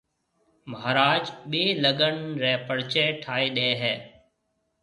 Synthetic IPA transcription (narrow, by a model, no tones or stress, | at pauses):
məɦɾaːd͡ʒɓeːləɡəɳɾeɦpəɽt͡ʃeːʈʰaːeɗeːɦɛː